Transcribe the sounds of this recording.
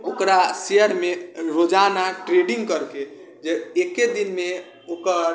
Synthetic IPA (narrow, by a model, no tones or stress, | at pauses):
okɾasejəɾmeɾod͡ʒanaʈɾeɖiŋɡkəɾke | d͡ʒeeked̪inme | okəɾ